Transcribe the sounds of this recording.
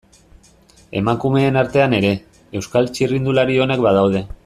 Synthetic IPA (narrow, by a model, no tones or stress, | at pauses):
e̞̰maŋkume̞ːnaɾt̪e̞ane̞ɾe̞ | ewskalt͡ʃirind̪ulaɾio̞ne̞kbað̞awð̞e̞